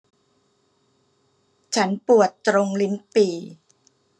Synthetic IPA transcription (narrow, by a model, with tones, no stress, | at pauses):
t͡ɕʰa˦˥npu˨˩ət̪ːɾo˧ŋli˦˥npiː˧˩